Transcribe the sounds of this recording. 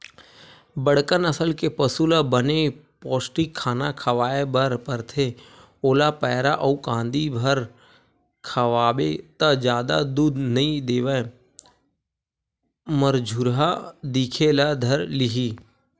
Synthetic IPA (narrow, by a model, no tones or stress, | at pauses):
bəɽkənəsəlkepəsulabənepɔːsʈɪkʰːaːnakʰəʋaːebəɾpəɾt̪ʰe | oːlapɛːɾa̰ʔɐũkãːnd̪ibʱəɾ | kʰəʋaːbet̪əd͡ʒjaːd̪a̰d̪uːd̪nɐĩd̪eːʋə | məɾd͡ʒʱuɾɦad̪iːkʰelad̪ʱəɾlɪɦi